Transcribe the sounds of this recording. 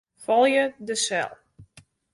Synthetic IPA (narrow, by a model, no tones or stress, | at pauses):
fɔlˠjədəsɛ̰lˠ